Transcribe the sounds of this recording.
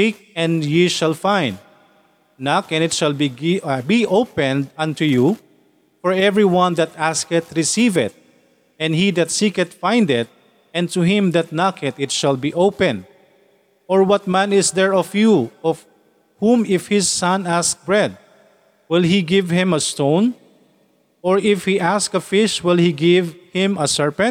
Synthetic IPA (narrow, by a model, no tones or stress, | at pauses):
ik̚ | ɛ̃njiʃalfãj̃nd̪̚ | nɑkɛ̃nɪt̪ʃalbiɡbiʔoʊpɛ̃ndʌ̃nt̪uju | fɔɹɛvɹiwʌ̃nd̪at̪æskɨt̪ɹɪsivɪ̰t̪̚ | ɛ̃nhid̪at̪sikɛt̪fãj̃nd̪ɪt̪̚ | ɛ̃nt̪uɦɪ̃md̪at̪̚nɑkʰɛt̪ɪt̪ʃalˠbiʔopɛ̃n | ɔɹwʌt̪̚mæ̃nɪsd̪ɛɹɔfjuɔv̥ | hũmɪfhɪsːʌ̃næsk̚bɹɛd̪̚ | wɪlˠɦiɡɪvhɪ̃mɐst̪õʊ̃n | ɔɹɪfhiʔæskɐfɪʃwɪlˠhiɡɪvhɪ̃mɐsɛɹpɛ̃n̚